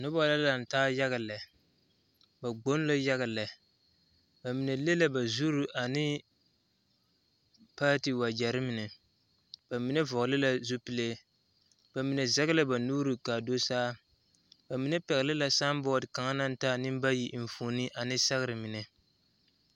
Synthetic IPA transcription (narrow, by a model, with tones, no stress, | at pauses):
nʊ˦bɔ˦la˦la˨n̩˨taː˦ja˦ɣa˨lɛ˨ | ba˨ɡ͡bo˦n˦la˦ja˦ɣa˨lɛ˨ | ba˨mi˨nɛ˨le˦la˦ba˨zu˦ɾu˨ʔa˨nɪ˦ | paː˦ti˨wa˨d͡ʒɛ˨ɾɪ˦mi˨nɛ˨ | b̥a˨mi˨nɛ˦vɔ˨ɡlɪ˦la˦zu˦pi˦le˦ | b̥a˨mi˨nɛ˨za˦ɣa˦la˦ba˨nuː˦ɾi˨ka˨do˦saː˦ | ba˨mi˨nɛ˦pɛ˨ɣɪ˨lɪ˦la˨sa˦mbɔː˦˨dka˨ŋa˦na˦n˦taː˦nɪ˦mba˦ji˨ʔɱ˨foː˨ni˦ʔa˨nɪ˦sa˦ɣɪ˦ɾɨ˨mi˨nɛ˨